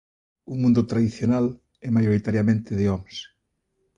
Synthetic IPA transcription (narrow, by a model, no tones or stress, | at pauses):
umũnd̪ʊt̪ɾaðiθjonal | ɛmajoɾit̪aɾjamẽnt̪ɪðɪɔms